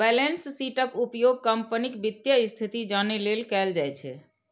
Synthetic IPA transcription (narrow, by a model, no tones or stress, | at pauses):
bɛlensːiʈəkupjoɡ̚kəmpənikbid̪jəist̪ʰit̪id͡ʒanelelkɛld͡ʒajt͡ʃʰɛ̰